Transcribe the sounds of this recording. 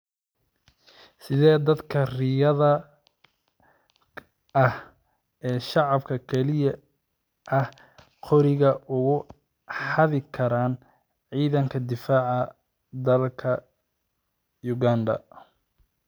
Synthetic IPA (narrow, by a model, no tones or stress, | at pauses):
sɪðɛːd̪ɐd̪kʰɐrɪjɐðɐ | ɐh | ɛːʃɑʕɑbkʰɐkʰɛlɪjɐ | ʔɐh | qʰɔɾɪɣɐʔʊɣʊ | ħɑðɪkʰɐɾaːn | ʕiːðɐŋkʰɐd̪ɪfaːʕɐ | d̪ɐlkʰɐ | jʊɣaːnd̪ɐ̰